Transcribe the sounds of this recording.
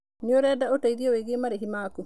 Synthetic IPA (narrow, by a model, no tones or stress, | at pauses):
nioɾɛdaotaidijɔweɡemaɾeɦimaːku